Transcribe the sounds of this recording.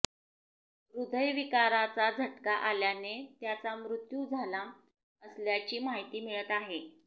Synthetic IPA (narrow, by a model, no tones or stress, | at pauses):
ɾud̪ʱəjʋikaɾat͡sad͡zʱəʈkaʔaljanet̪jat͡samɾut̪jud͡zʱala | əsljat͡ɕiːmaɦit̪iːmiɭət̪aɦe